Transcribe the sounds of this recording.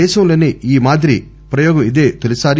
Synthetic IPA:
ɛːʃɐmlɐniiːmaːd̪ɾi | pɾɐjɔːɡɐmid̪eːt̪elisaːɾ

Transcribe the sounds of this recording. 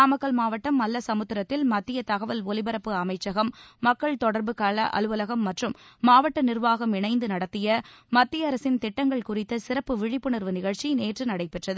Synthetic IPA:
aːmɐkːɐɭmaːʋɐʈːɐmːɐlːɐsɐmɯt̪ːɪɾɐt̪ːɪlmɐt̪ːɪjɐt̪ɐɣɐʋɐlɔlɪbɐɾɐpːɯɐmɐɪt͡ʃːɐɣɐmːɐkːɐɭt̪ɔɽɐɾbɯkaːlɐʔɐ̰lɯʋɐlɐɣɐmːɐʈrɯmːaːʋɐʈːɐnɪrʋaːɣɐmɪnɐɪnd̪ɯnɐɽɐt̪ːɪjɐmɐt̪ːɪjɐɐɾɐsɪnt̪ɪʈːɐŋɡɐɭkʊrɪt̪ːɐsɪɾɐpːɯʋɪɻɪpːɯɳɐɾʋɯnɪɣɐɭt͡ʃineːʈrɯnɐɽɐɪpɛʈrɐðɯ

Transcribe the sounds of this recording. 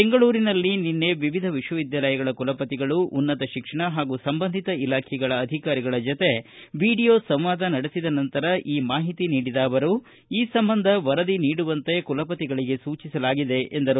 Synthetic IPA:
beŋɡɐɭuːɾinɐlːininːe̞ʋiʋid̪ʱɐʋiʂwɐʋid̪jaːlɐjɐɡɐɭɐkulɐpɐt̪iɡɐɭuʔunːɐt̪ɐʃikʂɐɳɐɦaːɡuːsɐmbɐnd̪ʱit̪ɐilaːkʰɛɡɐɭɐːd̪ʱikaːɾiɡɐɭɐd͡ʒot̪e̞ʋiːɽijoːsɐmʋaːd̪ʱɐnɐɽesid̪ɐnɐnt̪ɐɾɐʔiːmaːɦit̪iniːɽid̪aːʋɐɾu | iːsɐmbɐnd̪ʱɐʋɐɾɐd̪iniːɽuʋɐnt̪e̞kulɐpɐt̪iɡɐɭiɡe̞suːt͡ʃisɐlaːɡid̪e̞ʔend̪ɐɾu

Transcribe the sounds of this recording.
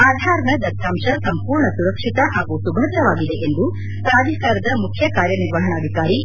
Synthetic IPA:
aːd̪ʱaːɾɐɳɐd̪ɐt̪ʰːaːmʂɐsɐmpuːɾɳɐsuɾɐkʂit̪ɐɦaːɡusubʱɐd̪ɐʋaːɡid̪eʔend̪u | p̪ɾaːd͡ʒ̪ʱɐkaːɾɐd̪ɐmukʰjɐkaːɾjɐniɾʋɐɦɐɳɐːd̪ʱikaːɾi

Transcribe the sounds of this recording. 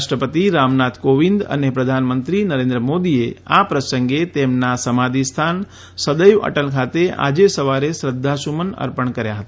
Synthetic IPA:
ʃʈɾəpət̪iɾamnat̪ʰkoʋind̪ə̰nepɾəd̪ʱanmənt̪ɾinəɾend̪ɾəmod̪iea̰pɾəsəŋɡet̪emnasəmad̪ʱist̪ʰan | səd̪əjʋə̰ʈəlkʰat̪eʔa̰d͡ʒesəʋaɾesɾəd̪ʱːasumənə̰ɾpəɳkəɾjaɦət̪a

